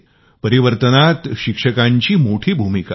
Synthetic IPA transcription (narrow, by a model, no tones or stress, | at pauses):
pəɾiʋəɾt̪ənat̪ɕikʂəkaɲt͡ɕiːmoʈʰiːbʱumika